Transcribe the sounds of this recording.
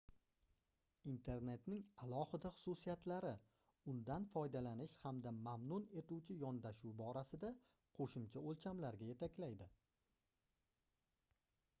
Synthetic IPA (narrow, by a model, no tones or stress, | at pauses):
int̪ʰe̞ɾne̞t̪nɪŋalˠɒhɪd̪aχʊ̥susijat̪ʰlaɾɪ | ʊnd̪anfɒjd̪alanɪʃhamd̪amamnʊne̞t̪uwt͡ʃʰɪjɒnd̪aʃuwbɒɾasɪd̪a | qʰoʃɪmt͡ʃʰaolˠt͡ʃʰamlaɾɡʲaje̞t̪ʰakʲlajd̪ɪ